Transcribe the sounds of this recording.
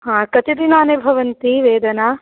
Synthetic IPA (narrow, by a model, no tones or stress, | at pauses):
ɦãːkɐt͡ʃ̪id̪inaːnebʱɐʋɐnt̪iʋeːd̪ʱɐnaː